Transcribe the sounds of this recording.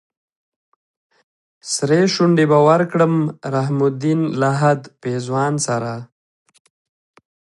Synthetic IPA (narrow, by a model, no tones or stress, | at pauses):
sɾeʃuɳɖebawaɾkɽəmɾaɦmʊd̪inlaɦad̪pezwɑːnsaɾa